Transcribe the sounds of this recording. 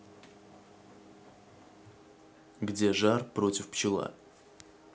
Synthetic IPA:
ɡdʲe̞ʐarpɾo̞tʲɪfpt͡ɕɪlˠa̰

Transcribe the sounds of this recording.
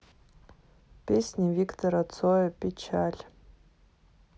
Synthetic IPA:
pʲʰesʲnʲiviktʰoɾat͡sʰojapʲʼet͡ʃʰalʲ

